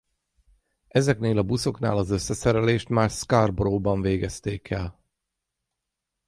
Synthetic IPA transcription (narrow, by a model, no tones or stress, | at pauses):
ɛzɛkneːlɒbuso̞kna̰ːlɒzø̞sːɛsɛɾɛleːʃt̪maːrskarbroːbɒɱveːɡɛst̪eːkʰɛl